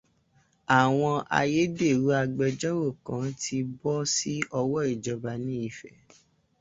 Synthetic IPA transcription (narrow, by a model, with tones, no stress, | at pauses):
a˨w̃ɔ̃˧a̰˧je˦de˦˨ɾu˨˦a˧ɡ͡bɛ˧d͡ʒɔ˦wo˦˨kã˨˦tʰi˧bɔ˦si˦ɔ˧wɔ˦i˨d͡ʒɔ˧ba˧nĩ˦i˦˨fɛ˨